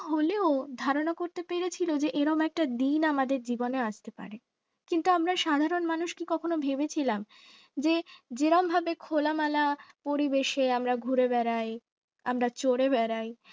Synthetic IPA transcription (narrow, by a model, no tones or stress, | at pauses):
ɦoleod̪ʱaɾonakoɾt̪epeɾet͡ɕʰilod͡ʑeʔeɾɔmɛk̚ʈad̪inamad̪eɾd͡ʑiboneaʃt̪epa̰ɾe | kint̪uamɾaʃad̪ʱaɾonmanuʃkikɔkʰonobʱebet͡ɕʰilam | d͡ʑed͡ʑeɾɔmbʱabekʰolamalapoɾibeʃeamɾaɡʱuɾebɛɾaj | a̰mɾat͡ɕoɽebɛɾaj